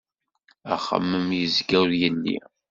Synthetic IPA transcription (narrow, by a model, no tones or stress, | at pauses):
æ̰χə̰mːəmjəzɡæwɾjəlːḭ